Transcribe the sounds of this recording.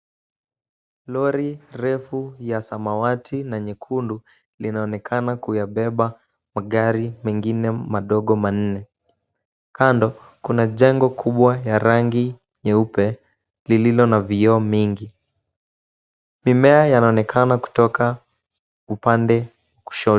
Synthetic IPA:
lɔɾiɾɛfujasamawatʰinaɲɛkʰundu | linaɔnɛkʰanakujaɓɛɓa | maɠaɾimɛŋɡinɛmaɗɔɠɔman̩nɛ | kandɔ | kunaʄɛŋɡɔkʰuɓwajaɾaŋɡi | ɲɛupɛ | lililɔnaviɔmiŋɡi | mimɛajanaɔnɛkʰanaku̥tɔka | upandɛ | waku̥ʃɔ

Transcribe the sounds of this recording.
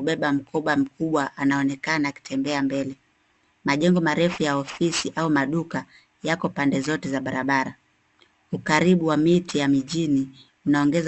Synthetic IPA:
uɓɛɓam̩kʰɔɓwam̩kuɓwaʔanaɔnɛkanaku̥tʰɛmbɛambɛlɛ | maʄɛŋɡɔmaɾɛfujaɔfisiʔaumaɗuka | jakɔpandɛzɔtɛzaɓaɾaɓaɾa | ukaɾiɓuwamitijamiʄini | unaɔŋɡɛz

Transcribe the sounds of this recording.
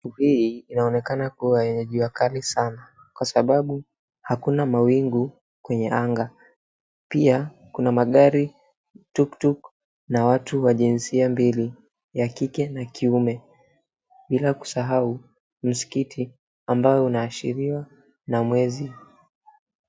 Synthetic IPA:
hiiinaɔnɛkanakuwajɛɲɛʄuwakalisana | kwasaɓaɓu | hakunamawiŋɡu | kwɛɲɛaŋɡa | pia | kunamaɠaɾi | tuktuk | nawatuwaʄinsiambili | jakikɛnakʰiumɛ | ɓilaku̥saɦau | m̩si̥kitʰi | ambajɔunaːʃḭɾiwa | namwɛzi

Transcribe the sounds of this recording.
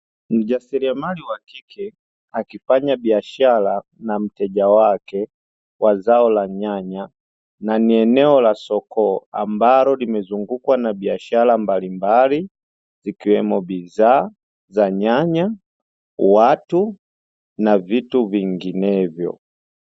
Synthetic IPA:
m̩ʄasiliamaliwakiki | akifaɲabiaʃalanam̩tɛʄawakɛ | wazaɔlaɲaɲa | naniɛnɛɔlasɔkɔa̰mbalɔlimɛzuŋɡukwanabiaʃalambalimbali | zikiwɛmɔbizaː | zaɲaɲa | watu | navituviŋɡinɛvjɔ̰

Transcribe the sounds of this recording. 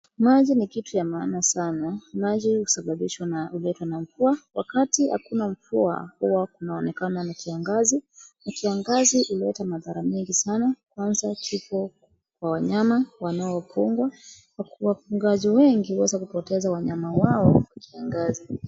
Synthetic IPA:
maʄinikitujamaanasanamaʄiusaɓaɓiʃwanaulɛtwanam̩fuawa̰katiha̰kunam̩fua̰huwaunaɔnɛkananakiaŋɡazinakiaŋɡaziʔuliɛtamaðaɾamɛŋɡisanakwanzat͡ʃipɔ | kwawaɲamawanaɔwapuŋɡwa | wawapuŋɡaziwɛŋɡiwɛzakupɔtɛzawaɲamawaɔwakiaŋɡazi

